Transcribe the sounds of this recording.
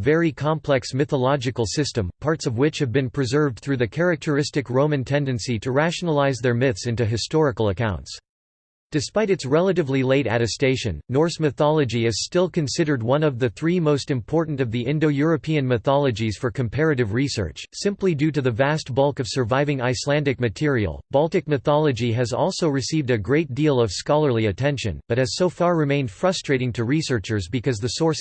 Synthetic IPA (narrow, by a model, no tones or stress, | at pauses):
vɛɹikʰɑ̃mpʰlɛksmɨθəlɑd͡ʒɨkl̩ˠsɪstə̃mpʰɑɹtsʌvwɪt͡ʃhɨvbɨ̃npʰɹ̥ɨzɜ˞vd̥̚θɹʉðɨkʰɛɹɨk̚tʰə˞ɪstɨkɹõʊ̃mɨ̃ntʰɛ̃ndɨ̃nsiɾɨɹæʃnəlˠaɪzðə˞mɪθsɪ̃ntʉɦɨstɔɹɨkl̩ˠəkʰãʊ̃nts | d̥ɨspaɪɾɨtsɹɛlˠəɾɨvlileɪɾæ̰ɾɨsteɪʃɨ̰̃nːɔɹsmɨθɑlˠɨd͡ʒiɪz̥stɪlˠkʰɨ̃nsɪɾə˞d̚wʌ̃nʌvðɨθɹimoʊstɨ̃mpʰɔɹʔn̩tʌvðiʔɪ̃ndoʊjʊɹɨpʰiɨ̃nmɨθɑlˠɨd͡ʒiz̥fə˞kʰɨ̃m̩pʰɛɹɨɾɨvɹisɜ̰˞t͡ʃsɪ̃mplidʉɾɨðɨvæst̚b̥ʌlˠkʌv̥sə˞vaɪvɪ̃ŋaɪslæ̃ndɨk̚mɨtʰɪɹḭl̩ˠb̥ɑlˠtɨk̚mɨθɑlˠɨd͡ʒiɨzɔ̰lˠsoʊɹɨsivdɨɡɹeɪt̚d̥ilˠʌv̥skɑlˠə˞liɨtʰɛ̃nʃɨ̰̃nb̥ʌt̚hɨz̥soʊfɑɹːɨmẽɪ̃nd̥fɹʌstɹ̥eɪɾɪ̃ŋtʰɨɹisɜ˞t͡ʃə˞zbɨkʰʌzðɨsɔɹs